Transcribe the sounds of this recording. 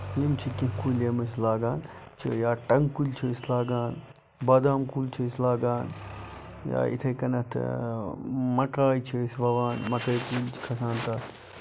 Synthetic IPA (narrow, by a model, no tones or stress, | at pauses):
imt͡ʃʰikĩɦkulemɐslaːɡaːnt͡ʃʰijaːʈɐŋɡkulʲt͡ʃʰiislaːɡaːn | bɐd̪aːmkuːlt͡ʃʰislaːɡaːn | ja̰ːḭt̪ʰɐkɐnɐt̪ʰ | mɐkaːjt͡ʃʰisʋɐʋaːnmɐkɐjkuːlʲt͡ʃʰi̥kʰɐsaːnt̪ɐt̪ʰ